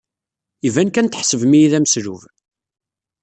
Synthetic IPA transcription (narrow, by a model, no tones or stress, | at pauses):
ivænkænt̪əħsəvmijiðæmsɾuv